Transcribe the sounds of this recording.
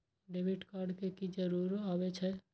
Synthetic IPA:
ɖeːʋɪʈkaːɾɖkekid͡ʒəɾuːɾaːʋet͡ʃʰɛ

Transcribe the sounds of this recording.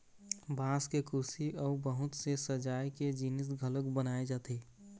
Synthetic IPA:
bʱãskekʊɾsiʔɔbəɦʊt̪sesəd͡ʒaːiked͡ʒinɪs̬ɡʱələkbənaːed͡ʒaːt̪eː

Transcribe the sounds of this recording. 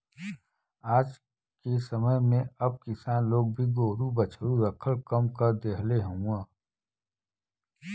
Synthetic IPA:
aːd͡ʒ | kesəməɦmẽɐb̚kɪsaːnloːɡ̚bʱiɡoːɾubɐt͡ʃʰɾuɾəkʰəlkəmkəɾd̪eːɦleɦũãː

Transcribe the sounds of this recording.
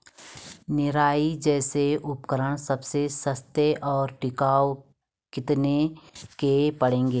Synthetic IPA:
nɪɾaːid͡ʒɛːseʊpkəɾəɽ̃səbsesəst̪eʔɔːɾʈɪkaːo | kɪt̪nekepəɽẽːŋɡeː

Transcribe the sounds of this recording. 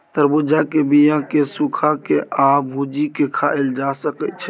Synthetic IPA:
t̪əɾbud͡ʒakebijãkesukʰakeʔabʱud͡ʒikekʰaeld͡ʒasəkɛt̪t͡ʃʰɛ

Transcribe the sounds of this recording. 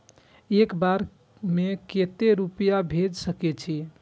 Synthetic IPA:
ekbaɾ | meket̪eɾupijabʱed͡ʒsəkɛt͡ʃʰi

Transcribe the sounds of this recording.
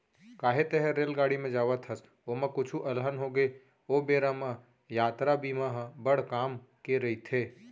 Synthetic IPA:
kaːɦet̪ɛɦɛɾeːlɡaːɽimẽd͡ʒaːʋət̪ɦəs | oːmɐ̃kʊt͡ʃʰuʔɐlɦənɦoːɡe | oːbeːɾamã | jaːt̪ɾabiːmaɦbəɽ̤kaːmkeɾɐit̪ʰeː

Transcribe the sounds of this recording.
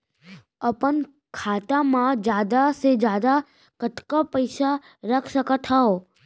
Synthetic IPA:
əpən | kʰat̪amãd͡ʒad̪ased͡ʒad̪a | kəʈkapəjsa | ɾəkʰʃəkat̪ʰao

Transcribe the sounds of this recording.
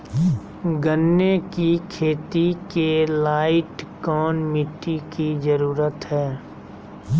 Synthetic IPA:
ɡənːekikʰeːt̪ikelaːɪʈkɔːnmɪʈːikid͡ʒəɾuːɾət̪ɦɛː

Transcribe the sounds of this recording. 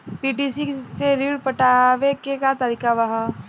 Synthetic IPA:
piːʈisiseɾiːɽpəʈaʋekekat̪əɾikaʋɐɦa

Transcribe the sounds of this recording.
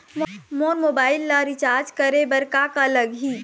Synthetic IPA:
mmoːnmoːbaːɪlːaɾɪt͡ʃaːɾd͡ʒkɐɾebɐɾkakːləɡɦiː

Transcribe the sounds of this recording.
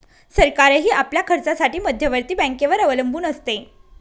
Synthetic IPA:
səɾkaɾəɦiːʔapljakʰəɾt͡sasaʈiːməd̪ʱjəʋəɾt̪iːbə̃keʋəɾəʋələmbʱuːnəst̪e

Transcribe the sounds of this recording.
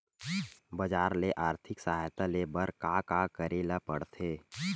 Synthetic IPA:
bəd͡ʒaːɾleʔaːɾt̪ʰɪksəɦaːjt̪alebəɾkakakəɾelapəɽt̪ʰeː

